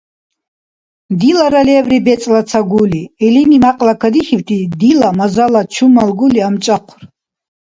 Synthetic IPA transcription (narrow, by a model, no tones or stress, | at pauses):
d̪ilaɾalɛvɾibɛt͡ssʼlat̪sʰaɡuliɛlinimaqʼlakʰad̪iχivt̪ʰʼid̪ilamazalat͡ʃʰumalɡuliamt͡ʃʼaqʷʰr